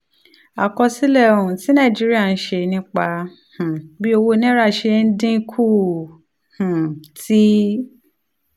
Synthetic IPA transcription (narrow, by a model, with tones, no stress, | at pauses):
a̰˨kɔ˧si˦lɛ˦˨o˧˨ũ˨ti˨˦nã˦˨d͡ʒi˦ɾi˦a˦˨n̩˦ʃe˧nĩ˧˦k͡pa˧ | h̩˨bi˦o˧wo˧nĩ˦ɾa˦˨ʃe˧n̩˦dĩ˦kʰu˦˨ | hũ˨ti˦